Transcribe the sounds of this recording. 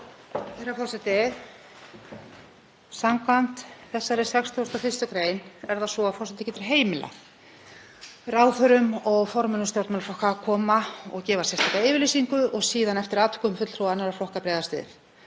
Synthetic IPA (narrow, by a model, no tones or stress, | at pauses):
θɛɾafɔɾsɛt̪ɪ | samkvan̥t̪θɛsːaɛɾɪsɛkst̪ʰɔʏst̪awfɪst̪ʏkɾeːjnɛɾðasɔafɔɾ̥sɛt̪ɪ̥cɛːt̪ɪɾ̥ɦeːjmɪla̰ | raːwθœɾʏmɔɣfɔɾmɛnʏst̪jɔwɾt̪mɛlflɔhkakʰɔːmaɔ̰ɣcɛːvasjɛst̪ajkaɪːvɪɾlisiŋkʏʔɔɣsiːðanɛft̪ɪɾaːt̪kʏmfʏt̪l̥θɾowanːaɾaɾflɔhkapɾɛːðast̪ɪ̰ːðɪ̰n